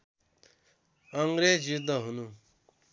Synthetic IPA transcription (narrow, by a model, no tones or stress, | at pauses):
ʌŋɡɾed͡ʒid̪ːʌɦunu